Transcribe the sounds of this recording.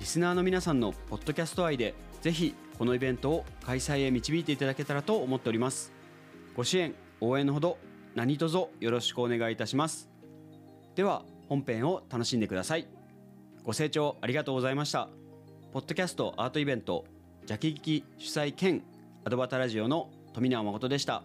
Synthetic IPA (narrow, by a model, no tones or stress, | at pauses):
ɾʲisɨnaːno̞mʲinasãnːo̞po̞t̪ːo̞kʲasɨ̥t̪o̞aid̪e̞ze̞çʲi | ko̞no̞ibẽ̞nt̪o̞ːkaisaie̞mʲit͡ɕibʲiːt̪e̞it̪ad̪ake̞t̪aɾat̪o̞ːmo̞t̪ːe̞o̞ɾʲimasɨ̥ | ɡ̥o̞ɕiẽ̞ŋ | o̞ːẽ̞ñɦo̞d̪o̞ | naɲ̟it̪o̞zo̞jo̞ɾo̞ɕi̥kɯ̟one̞ɡait̪aɕimasɨ̥ | d̪̥e̞β̞a | hõ̞mpẽ̞ɰ̃o̞t̪ano̞ɕĩnd̪e̞kɯ̟d̪asai | ɡ̥o̞se̞ːt͡ɕo̞ːaɾʲiɡat̪o̞ːɡo̞zaimaɕi̥t̪a | po̞t̪ːo̞kʲasɨ̥t̪o̞ʔaːt̪o̞ibẽ̞nt̪o̞̰ | d͡ʑakʲiɡʲikʲiɕɨ̥saikẽ̞ŋ | ad̪o̞bat̪aɾaʑio̞no̞ | t̪o̞mʲinaomako̞t̪o̞d̪e̞ɕi̥t̪a̰